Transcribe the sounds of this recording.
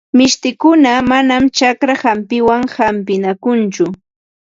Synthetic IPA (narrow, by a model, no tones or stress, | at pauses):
mɪʃt̪ɪkʊnamanamt͡ʃakɾahampɪwaŋhampɪnakʊnt͡ʃʊ